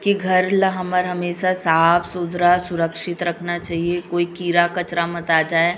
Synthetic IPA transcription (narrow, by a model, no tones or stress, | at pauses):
kiɡʱɐɾlɦɐməɾɦɐmeːʃasaːpsʊd̪ʱɾasʊɾəkʃɪt̪ɾɐkʰnat͡ʃaːɦiekoːikiːɾakɐt͡ʃɾamɐt̪aːd͡ʒaːe